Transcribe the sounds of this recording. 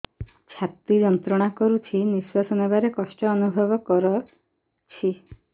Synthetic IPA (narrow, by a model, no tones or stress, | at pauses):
t͡ʃʰat̪id͡ʒɔnt̪ɾɔɽ̃akɔɾut͡ʃʰiniswasɔnabaɾekɔsʈɔːnubʱɔbɔkɔɾɔ | t͡ʃʰi